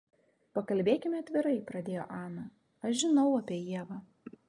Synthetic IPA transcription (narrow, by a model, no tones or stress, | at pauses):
pɐkɐlʲbʲeːkʲɪmʲɛɐt̪ʲʋʲɪɾɐɪpɾɐd̪ʲeːjo̰ːʔɑːnɐ | ɐʃʒʲɪnɒʊɐpʲiɛjiɛʋɐː